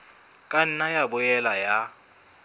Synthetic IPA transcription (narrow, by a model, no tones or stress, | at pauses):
kʼan̩najabʊjɛlaja